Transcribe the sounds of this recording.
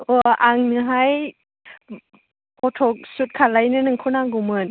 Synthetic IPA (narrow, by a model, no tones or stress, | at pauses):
ɔʔaŋnɯɦaj | pɔtʰɔk̚sut̚kʰalajnɯnɯŋkʰunaŋɡumɯn